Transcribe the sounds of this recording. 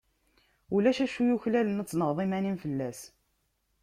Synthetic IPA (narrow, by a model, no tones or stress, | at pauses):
ulæʃæʃujuçlælənæt͡sːnəʁðˤimænimfəlːæs